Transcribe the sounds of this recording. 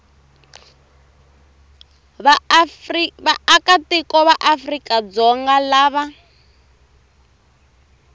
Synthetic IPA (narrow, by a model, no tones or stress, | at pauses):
βaakatikɔβaʔafrikad͡zɔŋɡalaːβa